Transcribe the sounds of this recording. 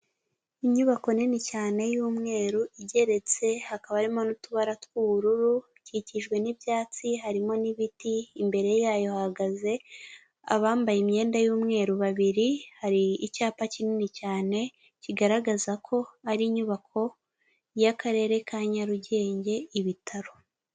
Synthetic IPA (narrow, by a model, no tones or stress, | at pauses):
iɲuβako̞ninicaːne̞juːmŋe̞ːɾuʔiɟe̞ɾe̞t͡se̞hakaβaɾimonutuβaɾatkuβuɾuɾu | ciciʒɡwe̞nibjaːt͡siɦaɾimo̞niβitiːmbe̞ɾe̞jaːjo̞haɡaze̞ | a̰βaːmbajemɲe̞ːndajuːmŋe̞ːɾuβaβiɾihaɾiːcaːpacininicaːne̞ | ciɡaɾaɡazakʰo̞aɾiːɲuβakʰo̞ | jakaɾe̞ːɾe̞kaːɲaɾuɟe̞ːɲɟe̞iβitʰaɾo̞